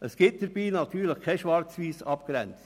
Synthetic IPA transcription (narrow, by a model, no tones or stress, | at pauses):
əsɡ̥ɪt̚d̥əɾb̥iːnɑt̪ʰyːɾləχkʰɛʃʋɑɾt͡sviːsɑpɡ̥ɾɛ̰nt͡s